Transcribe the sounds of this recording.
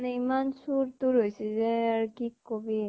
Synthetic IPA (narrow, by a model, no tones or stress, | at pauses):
nɛimansuɾt̪uɹɦojsizɛaɹkikːobi